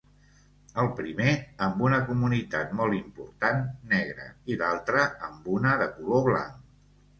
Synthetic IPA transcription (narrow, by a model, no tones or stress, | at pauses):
əlˠpɾimeəmbunəkumunit̪at̪̚mɔlˠimpuɾt̪anːɛɣ̞ɾə̰iðalˠt̪ɾəəmbunəðəkuloβla̰ŋk